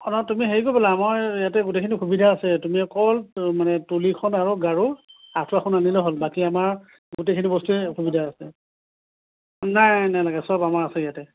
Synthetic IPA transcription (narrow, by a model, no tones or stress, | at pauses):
ɔnɔtumiɦeɹikopɔlaːmaɹijatɛɡutejkʰinixubidʱaːsɛtumiɔkɔlmanɛtulikʰɔnaɹɔɡaɹuatʰuaxʰʊnanilɛɦolbakiamaɹ | ɡutejkʰinibɔstukʰubidʱaːsɛ | najnajlaɡɛsɔbamaɹasɛjatɛ